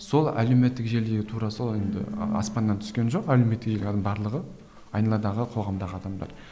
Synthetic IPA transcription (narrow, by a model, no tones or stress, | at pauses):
so̞lˠæ̰leme̞t̪ːɪkʒe̞ld̪e̞ɡʲɪt̪ʰuɾɑsoend̪ɪ̰ɑ̰spɑnːɑnt̪ʰʏ̥skʲe̞nʒo̞qælewme̞t̪ːɪkʒembɑɾlˠəʁə | ɑjnɑlˠɑd̪ɑʁəqʰo̞ʁɑmd̪ɑʁəɑd̪ɑmd̪ɑ̰ɾ